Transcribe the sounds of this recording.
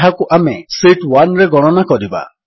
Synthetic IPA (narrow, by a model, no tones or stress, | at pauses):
ɦakuʔamesiʈwanɾeɡɔɽ̃ɔnakɔɾiba̰